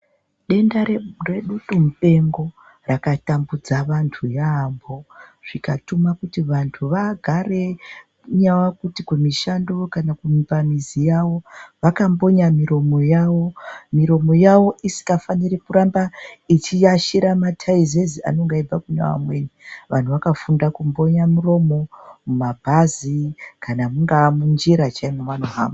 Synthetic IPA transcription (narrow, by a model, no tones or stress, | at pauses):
ɗe̞ndarre̞ɗutum̩pe̞ŋɡo̞ | rakatambud͡zaʋantʰujaːmbo̞ʐ̥ikatumakutiʋantʰuʋaɡʱare | ɲawakutikemiʃando̞kanakumipamizijaʋo̞ʋakambo̞ɲamiɾo̞mo̞jaʋo̞miɾo̞mo̞jaʋo̞ʔisi̥kafaniɾikuɾambait͡ʃijaʃiɾamatʰaizezia̰no̞ŋɡaib͡vakuɲa̰wa̰mwe̞ːniʋʔa̰n̤uʋakafundakumbo̞ɲamuro̞mo̞mumabʱazikʰanamuŋɡamund͡ʒiɾat͡ʃaimumanuɦa̰ːma